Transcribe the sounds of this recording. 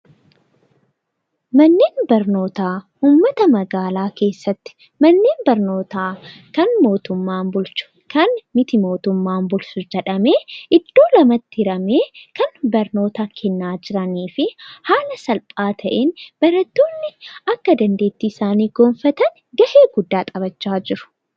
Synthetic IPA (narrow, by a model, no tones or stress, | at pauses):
mɐnːeːnbɐɾno̞ːt̪aː | uːmːɐt̪ɐmɐɡaːlaːke̞ːsːɐt̪ːɪ̥ | mɐnːeːnbɐɾno̞ːt̪aːkɐnmo̞ːt̪ʊmːaːmbʊlt͡ʃʊ̥ | kɐnmɪt̪ɪmo̞ːt̪ʊmːaːmbʊlsʊd͡ʒɛᶑɐme̞ːʔɪd̪ːo̞ːlɐmɐt̪ːɪɪɾɐmeːkɐnbɐɾno̞ːt̪aːkʰɛnːaːd͡ʒɪɾɐniːfɪhaːlɐsɐlpʼaːt̪ʰɐʔenb̥ɐɾɐt̪ːoːnːɪɐkːɐd̪ɐnd̪e̞ːt̪ːiːɪsaːniːɡo̞ːnfɐt̪ɐn | ɡɐʔeːɡʊd̪ːaːt̪ʼɐβɐt͡ʃːaːd͡ʒɪɾʊ̥